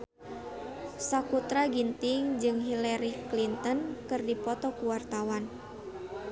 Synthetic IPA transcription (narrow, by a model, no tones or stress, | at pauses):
sakut̪ɾaɡint̪ɪŋd͡ʒɨŋɦilaɾiklint̪ɔnkɨrdipɔt̪ɔkuwart̪awan